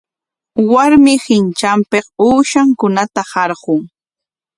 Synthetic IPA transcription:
waɾmɪhɪnt͡ʃampequːʃaŋkʊnat̪ahɑɾɢʊŋ

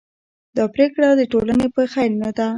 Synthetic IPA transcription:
d̪ɑpɾekɽad̪əʈolanepəxajlnad̪a

